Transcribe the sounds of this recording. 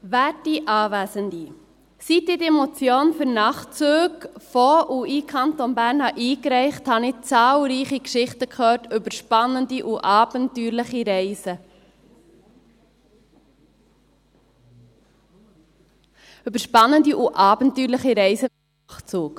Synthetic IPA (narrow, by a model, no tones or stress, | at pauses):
væːdiʔɑːvæːzəndi | sitidemot͡sjoːnfʏɾnɑχt͡suːkfɔʔuikʰɑntonbæːɾnhɑʔiːkɾɛɪχthɑnɪt͡sɑːlɾiːχikʃɪχtəkʰχœːɾtʏbəɾʃpɑnːəndiʔuʔɑːb̥əntyːɾləχiɾɛɪsə | ɵbəɾʃpɑnːəndiʔuʔɑːbəntyːɾləχiɾɛɪsə | χt͡suːk